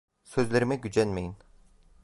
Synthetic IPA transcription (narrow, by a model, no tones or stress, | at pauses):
søzlʲeɾimɛɟyd͡ʒænmejin